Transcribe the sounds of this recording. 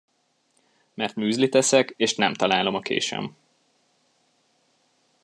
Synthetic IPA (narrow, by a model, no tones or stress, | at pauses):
mɛrt̪myːzlit̪ɛsɛkeːʃnɛmt̪ɒlaːlo̞mɒkʰḛːʃɛ̰m